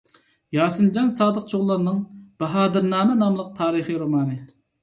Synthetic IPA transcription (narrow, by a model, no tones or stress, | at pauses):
jɑːsɨnd͡ʒɑnsɑːd̪əq̚t͡ʃʰoʁlˠːɑɾnɨŋb̥ɛɦɑːd̪ɨɾnɑːmɛnɑmlˠəq̚t̪ʰɑːɾɨχiɾomɑːnɨ